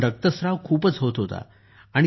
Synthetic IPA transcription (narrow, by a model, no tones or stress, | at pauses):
ɖək̚t̪əsɾaʋkʰuːpət͡sɦot̪ɦot̪a̰ | aɽ̃i